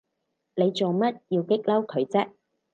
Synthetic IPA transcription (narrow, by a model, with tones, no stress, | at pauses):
ne˨˧jt͡so˨wmɐ˥t̚jiː˧wkɪ˥k̚lɐ˥wkʰɵ˨˧ɥt͡sɐ˥k̚